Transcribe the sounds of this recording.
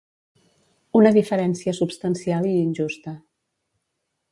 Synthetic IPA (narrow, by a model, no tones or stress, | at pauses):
unəðifəɾɛnsiəsupst̪ənsialˠiːnʲʒust̪ə